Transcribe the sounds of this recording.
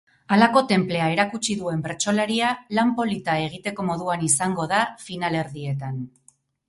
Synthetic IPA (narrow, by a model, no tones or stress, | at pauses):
alako̞t̪e̞mple̞ae̞ɾakut͡ʃiðue̞mbeɾt͡ʃo̞laɾialampo̞lit̪ae̞ɣ̞it̪e̞ko̞mo̞ðuanisaŋɡo̞ðafinale̞ɾðie̞t̪an